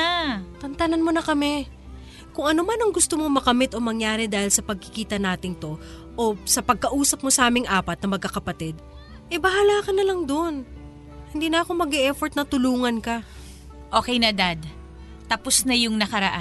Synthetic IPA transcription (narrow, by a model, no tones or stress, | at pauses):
at̪ɐnt̪ɐnɐnmo̞nɐkɐmɛ | kʊŋʔɐnomanɐŋɡʊst̪omo̞mɐɡɐmɪt̪o̞mɐŋjaːɾɛd̪aːhɪlsɐpɐɡ̚kɪ̥kiːt̪ɐnaːt̪ɪŋt̪o̞ | ʔosɐpɐɡ̚kɐʔuːsɐp̚mo̞sɐʔaːmɪŋʔaːpɐt̪̚nɐmɐɡ̚kːɐkɐpɐt̪ɛd̪̚ | ʔɛbɐɦalaːkɐnɐlɐŋd̪on | hɪnd̪iːnɐɐko̞mɐɡɛʔɛfoɹt̪̚nɐt̪ʊluːŋɐnkɐ | ʔo̞ːkɛjnɐd̪ad̪ | t̪ɐposnɐjʊŋnɐkɐɾɐʔa